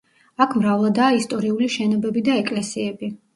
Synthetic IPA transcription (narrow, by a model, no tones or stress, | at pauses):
akʰmɾavlˠad̪aːist̪ʼɔɾiuliʃɛnɔbɛbid̪aɛkʼlɛsiɛbi